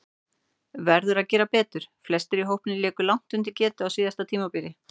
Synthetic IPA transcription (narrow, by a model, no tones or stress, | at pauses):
vɛɾðʏɾaðcɛːɾapɛːt̪ʏɾ̥flɛst̪ɪɾiɦowhpnɪlɛːkʏlawŋ̥t̪ʏnt̪̬ɪcɛːt̪ʏaðsviːðast̪at̪ʰiːmapiːɾɪ